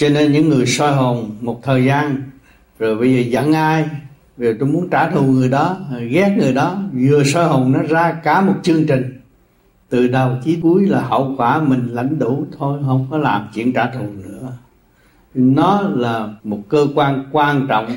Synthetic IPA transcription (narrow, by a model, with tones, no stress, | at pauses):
t͡ɕɔ˧ne˧nɲɨ̰˧˥ŋːɨ˨˩əjsɔ˧jɦo˨˩nmo˨˩t̚t̪ʰəː˨˩jzaː˧n | zo˨˩jɓə˧jzəː˨˩zə̰˧˥ŋʔaː˧j | o˨˩t̪o˧mu˨˦ənt͡ɕaː˧˩t̪ʰu˨˩əŋɨ˨˩əjɗɔ˨˦˨ɣɛ˦˥k̚ŋɨ˨˩əjɗɔ˨˦zɨ˨˩əsɔː˧jɦo˨˩nnɔ˨˦zaː˧kaː˧˩mo˨˩t̚t͡ɕɨ˧əŋt͡ɕï˨˩ŋ̟ | t̪ɨ˨˩ɗə˨˩wt͡ɕi˨˦ku˨˦əjlaː˨˩ɦə̰˧˨wkwaː˧˩mï˨˩ŋ̟la̰˧˥jŋ̟ɗu˧˩t̪ʰo˧jɦə˧wŋ͡mkɔ˨˦laː˨˩mt͡ɕḭ˧˨ənt͡ɕaː˧˩t̪ʰu˨˩ənɨ̰˧˥ə | nɔ˨˦laː˨˩mo˨˩t̚kəː˧kwaː˧nkwaː˧nt͡ɕɔ̰˧˨wŋ͡m